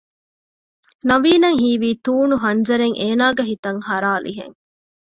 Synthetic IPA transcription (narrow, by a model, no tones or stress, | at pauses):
nɐʋiːnɐŋɦiːʋiːt̪uːnuɦɐɲd͡ʒɐɾeŋʔeːnaːɡɐɦit̪ɐŋhɐɾaːlʔḭɦḛŋ